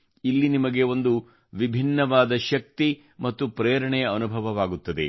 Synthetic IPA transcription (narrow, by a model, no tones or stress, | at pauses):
ilːinimɐɡeo̞nd̪u | ʋibʱinːɐʋaːd̪ɐʃɐk̚t̪i | mɐt̪ːupɾeːɾɐɳɛjɐɐnubʱɐʋɐʋaːɡut̪ːɐd̪e̞̰